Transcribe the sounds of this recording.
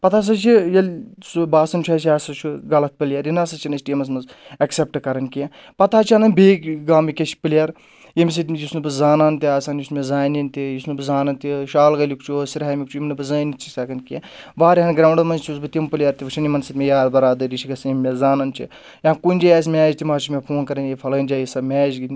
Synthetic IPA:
pɐt̪ʰaːs̬ɐt͡ʃʰijɐlʲsubaːsɐnt͡ʃʰaːt͡ʃʰiaːsɐt͡ʃʰuɡɐlɐt̪̚pɨlʲjaːɾjinaːsɐt͡ʃʰinɐsʈiːmɐs̬mɐzɐksep̚ʈɨkɐɾɐnkije | pɐt̪ʰaːt͡ʃʰanɐnbeːkɡaːmikʲet͡ʃʰi̥pɨlʲjaːɾ | jimʲs̬it̪ʲmjisnɨbɨzaːnaːnt̪iaːsaːnjismʲezaːnint̪ijisnɨbɨzaːnɐnt̪iʃaːlɡɐlikt͡ʃʰusiɾɦaːmʲikt͡ʃʰujimnɨbɨzaːnit͡ʃʰi̥akɐnkʲie | ʋaːɾiɦɐnɡɾaːɳɖɐmɐnt͡ʃʰusbɨt̪ʲimpɨlʲjaːɾt̪iʋɨt͡ʃʰɐnimɐnsit̪ʲmʲejaːɾd̪ɐɾaːd̪ɐɾit͡ʃʰiɡɐsɐjimʲmʲezaːnɐnt͡ʃʰḭ | jãːnkunʲd͡ʒajaːs̬ʲmʲɛːd͡ʒt̪ʲimaːt͡ʃʰimʲepʰoːnkɐɾɐnjifʰɐləːnʲd͡ʒaːjisɐmʲɛːd͡ʒɡin

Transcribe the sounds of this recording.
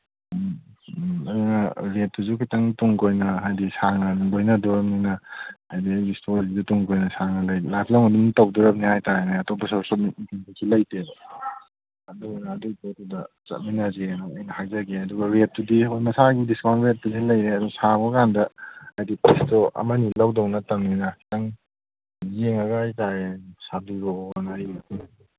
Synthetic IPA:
mɐdunɐɾet̚tːuzukʰitɐŋtuŋkojnɐɦajdisaŋɐnuŋbojnɐdɔɾɐp̚ninɐajdiistʰolizutuŋkojnɐsaŋɐlɐjlatlawŋɐduntawduɾɐp̚nihajtaenaɐtɔbɐsɔsɔmiikʰintusʰilɐjted | ɐdujnɐːdudotudɐ | t͡ʃɐ̰t̚minɐzenaɐjnɐhakzaɡeɐduɡɐɾet̚tudiojmɐsaɡidiskawnɾet̚tudilɐjɾeɐduŋsaɡɔkandɐːjdipɾistoʔɐ̰mɐnilawdɐwnɐtɐŋninɐtaŋ | jeŋɐɡaajtaɾesadiɾonaiitu

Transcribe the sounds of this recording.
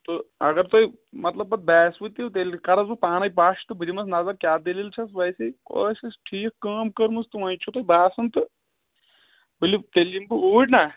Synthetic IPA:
t̪oɐɡɐɾt̪oːi | mɐt̪lɐbːɐt̪̚bɛːsʋɨt̪ːit̪elkɐɾɐzupaːñɐjpaːʃt̪ɨbiɾimɐsnɐzɐɾkʲaːd̪ililt͡ʃʰɐsʋɐjsiko̰ːsisʈʰiːkkaːmkɐɾmust̪ɨʋɐjt͡ʃʰut̪oibaːsɐnt̪ɨ | bilit̪elimbɨuːʈna

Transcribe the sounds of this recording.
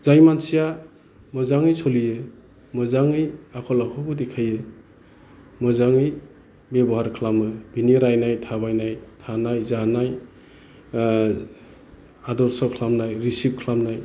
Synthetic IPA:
zajmansija | mɔzaŋɯjsolijɯ | mɔzaŋɯjakʰɔlakʰɔkudikʰajɯ | mɔzaŋɯj | bebɔɦaɾkʰlamɯb̥iniɾajnajtʰabajnajtʰanajzanaj | adɔɾsɔkʰlamnajɾisip̚kʰlamnaj

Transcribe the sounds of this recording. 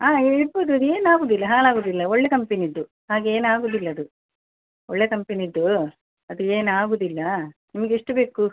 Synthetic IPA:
aːeboːd̪uɐd̪ue̞ːnaːɡuːd̪ilːɐɦaːlaːɡuːd̪ilːɐoɭːekɐmpeniid̪ːu | ɦaːɡeeːnaːɡuːd̪ilːɐːd̪u | ɔɭːeːkɐmpeniid̪ːu | ɐd̪ueːnaːɡuːd̪ilːɐnimɐɡeiʂʈɐbe̞ːku

